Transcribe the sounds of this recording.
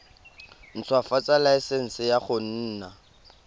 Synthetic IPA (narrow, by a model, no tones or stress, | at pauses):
n̩t͡sʰwafat͡sʼalaɪsɛn̩sɪjaχʊn̩ːna